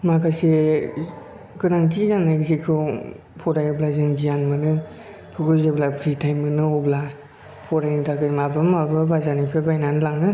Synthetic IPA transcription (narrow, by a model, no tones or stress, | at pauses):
makʰase | kɯnaŋtʰizanːazikʰɯ | pʰɔɾajɔblazɯŋbijanmɯnɯ | kʰɯkɯzeblapʰɾitʰajmɯnɯɔbla | pʰɔɾajnɯtʰakɯnmablɔmaɾbabazanipʰebajnanɯlaŋɯ